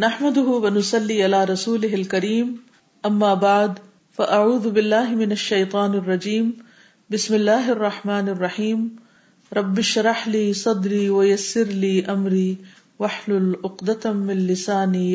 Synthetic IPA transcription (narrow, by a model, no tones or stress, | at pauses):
naħmad̪ʊɦʊwanʊsˤɑlːiːʔalaːɾˤɑsuːlɪɦalkaɾiːm | ʔamːaːbaʕd̪ | faʔaʕuːðʊbɪlːaːɦɪmɪnaʃːajt̪ˤɑːnɑrˤːɑd͡ʒiːm | bɪsmɪlːaːɦɑrˤːɑħmaːnɑrˤːɑħiːm | ɾˤɑbːɪʃɾˤɑħliːsˤɑd̪ɾiːwajasːɪɾliːʔamɾiː | waħlʊlʔʊqd̪amɪnlɪsaːni